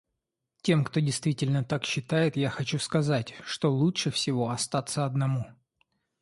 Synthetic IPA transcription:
tʲe̞mkt̪odʲɪjst̪vʲitʲɪlʲnət̪akɕːɪt̪ajɪt̪jaxɐt͡ɕuskɐzatʲʂt̪o̞lˠutʂɨfsʲɪvo̞ɐst̪at̪sːəɐd̪nɐmu

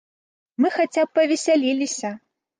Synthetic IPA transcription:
mɨxat͡sʲap̚ːɐvʲɛsʲalʲilʲisʲɐ

